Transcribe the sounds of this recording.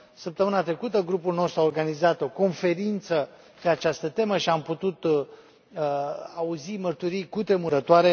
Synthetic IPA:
səp̚t̪əmɨnat̪ɾe̞kut̪əɡɾupulno̞st̪ɾuao̞rɡanizat̪o̞ko̞nfe̞ɾint̪sə | pe̞at͡ʃast̪ət̪e̞məʃiamput̪ut̪ | auzimərt̪uɾijkut̪ɾe̞muɾət̪oaɾe̞

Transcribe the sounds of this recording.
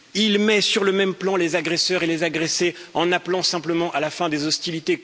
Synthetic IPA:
ilmɛsyʁləmɛmplɑ̃lezaɡʁesœʁelezaɡʁeseɑ̃naplɑ̃sɛ̃pləmɑ̃ʔalafɛ̃d̪ezɔst̪ilit̪e

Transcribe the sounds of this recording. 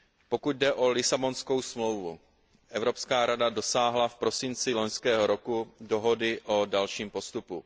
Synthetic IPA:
po̞kut̪̚dɛʔo̞lɪsabo̞nsko̞wsmlo̞wvu | ʔɛvɾo̞pskaːɾadado̞saːɦlafpɾo̞sɪnt͡sɪlo̞ɲskɛːɦo̞ɾo̞kudoɦo̞dɪʔo̞dalʃiːmpo̞st̪upu

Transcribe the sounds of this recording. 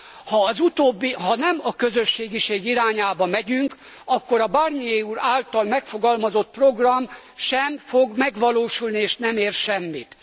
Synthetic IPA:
hɒːzut̪oːbːiɦɒnɛmɒkøzø̞ʃːeːɡiʃeːɡiɾaːɲaːbɒmɛɟyŋk | ɒkːo̞ɾɒbarnieːuɾaːlt̪ɒlmɛkfo̞ɡɒlmɒzo̞t̪̚pro̞ɡrɒmʃɛmfoɡmɛɡʋɒloːʃulnieːʃnɛmeːrʃɛmːit̪

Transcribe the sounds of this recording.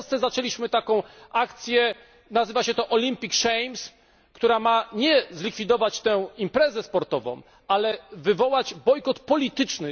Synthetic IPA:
st̪sɛzat͡ʂɛlʲiɕmɘt̪akɔ̃w̃akt̪sʲjɛ | nazɘvaɕɛt̪ɔʔɔlʲimpʲikʂɛjms | kt̪uɾamaɲɛzlʲikfʲid̪ɔvat͡ɕt̪ɛ̃w̃impɾɛzɛspɔɾt̪ɔvɔ̰̃w̃ | alɛvɘvɔwad͡ʑbɔjkɔt̪pɔlʲit̪ɘt͡ʂnɘ

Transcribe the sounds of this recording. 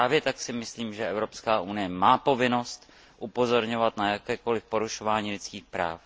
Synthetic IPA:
aːvjɛt̪aksɪmɪsliːmʒɛʔɛvɾo̞pskaːʔunɪjɛmaːpo̞vɪno̞st̪ | ʔupo̞zo̞ɾɲo̞vat̪najakɛːko̞lɪfpo̞ɾuʃo̞vaːɲiːlɪt͡skiːxpɾa̰ːf

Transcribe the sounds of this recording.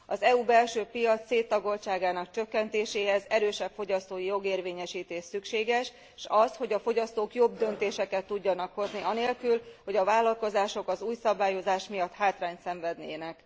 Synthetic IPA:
ɒzɛuːbɛlʃøːpijɒt̪seːt̪ːɒɡo̞lt͡ʃaːɡaːnɒkt͡ʃø̞kːɛnt̪eːʃeːɦɛzɛɾøːʃɛpfo̞ɟɒst̪oːjijo̞ɡeːrveːɲɛʃiːt̪eːʃsykʃeːɡɛʃ | ʃɒsho̞ɟɒfo̞ɟɒst̪oːkjo̞bd̪ø̞nt̪eːʃɛkɛt̪ːuɟːɒnɒkho̞zniɒneːlkylho̞ɟɒvaːlːɒlko̞zaːʃo̞kɒzuːjsɒbaːjo̞zaːʃmijɒt̪haːt̪raːɲt̪sɛɱvɛd̪neːnɛk

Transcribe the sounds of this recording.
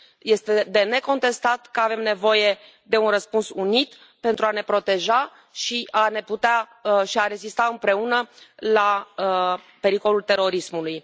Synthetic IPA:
je̞st̪e̞d̪e̞ne̞ko̞nt̪e̞st̪at̪kəave̞mne̞vo̞je̞ | d̪e̞unrəspunsunit̪ | pe̞nt̪ɾuane̞pɾo̞t̪e̞ʒa | ʃiʔane̞put̪eaəʃiaɾe̞zist̪aɨmpɾe̞unəlaə | pe̞ɾiko̞lult̪e̞ɾo̞ɾismuluj

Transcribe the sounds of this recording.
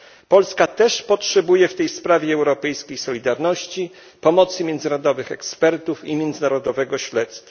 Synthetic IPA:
pɔlskat̪ɛʂpɔtʂɛbujɛft̪ɛjspɾavʲjɛɛwɾɔpɛjskʲejsɔlʲid̪aɾnɔɕt͡ɕi | pɔmɔt̪sɘmʲjɛnd̪zɘɾɔd̪ɔvɘxɛkspɛɾt̪ufimʲjɛnd̪znaɾɔd̪ɔvɛɡɔɕlɛt̪st̪fa

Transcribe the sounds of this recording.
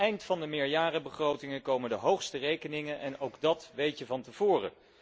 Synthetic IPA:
ɛjntfɑndəmɪːɹjaːrəbəχrowtɪŋəkowməndəɦowχstərejkənɪŋənʔɛnowɡdɑtʋejtjəvɑntəv̥ʊːrə̰

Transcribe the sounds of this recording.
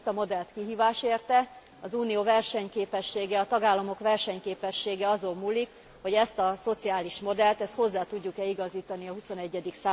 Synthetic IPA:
t̪ɒmo̞d̪ɛlt̪kiɦiːvaːʃeːrt̪ɛ | ɒzuːnijoːvɛrʃɛɲkeːpɛʃːeːɡɛɒt̪ɒɡaːlːɒmo̞kʋɛrʃɛɲkeːpɛʃːeːɡɛɒzolmuːlːik | ho̞ɟɛst̪ɒso̞t̪siaːliʃmo̞d̪ɛlt̪ɛst̪ho̞zːaːt̪uɟːukɛiɡɒziːt̪ɒniɒɦuso̞nɛɟːɛd̪iksaː

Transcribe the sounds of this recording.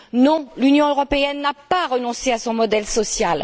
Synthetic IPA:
nɔ̃lynjɔ̃øʁɔpeɛnːapaʁənɔ̃seasɔ̃mɔd̪ɛlsɔsjal

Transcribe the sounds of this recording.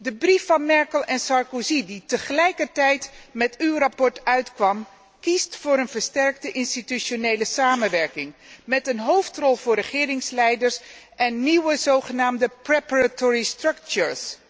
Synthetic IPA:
dəbrifːɑnmɛɹkəlˠɛnsɑɹkoziditəχəlɛjkəɹtɛjtmɛtywrɑpɔɹtœɥtkʋɑm | kistfʊːɾənvəɹstɛɹk̚təʔɪnstityʃonejləsaːmənʋɛɹkɪŋmɛtənɦowftrɔlˠvʊːɹɾəχɪːɾɪŋslɛjdəɹsʔɛnːiwəzowχənaːmdəprɛpaɹatoːɹistrɵkt͡ʃuɹs

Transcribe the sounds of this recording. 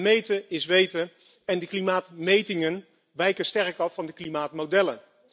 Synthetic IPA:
mejtəɪsʋejtə | ɛndəklimaːtmejtɪŋən | ʋɛjkəstɛrkɑfːɑndəklimaːtmodɛlə̰n

